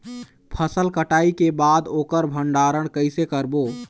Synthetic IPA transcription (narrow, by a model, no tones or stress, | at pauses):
pʰəsəlkəʈaikebad̪oːkəɾbʱəɳɖaɾəɳ̃kəɪsekəɾbo